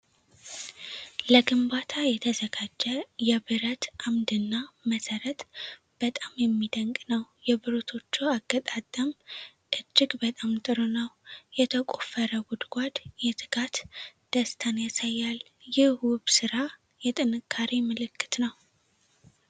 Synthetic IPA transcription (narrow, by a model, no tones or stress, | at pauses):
ləɡɨmbat̪ʰajɛt̪ʰəzəɡad͡ʒːɛjɛbɨɾət̪ʔamd̪ɨnːaməsəɾət̪ʼ | b̥ət̪ʼamjɛmːid̪əŋkʼnəwjɛbɨɾot̪ʰo̞t͡ʃːɛwaɡət̪ʼat̪ʼːəm | ʔɨd͡ʒːɪɡbət̪ʼamt̪ʼɨɾonəwjɛt̪ʰəkʼofəɾəɡʊd̪ɡ̥ʷad̪jɛt̪ʰʼɨ̥kʰat̪d̪̥əst̪ʰanjasajːal | jɪhwʊβsɨɾa | jɛt̪ʼɨnɨkʰːaɾimɨlɨkːɨ̥t̪nəw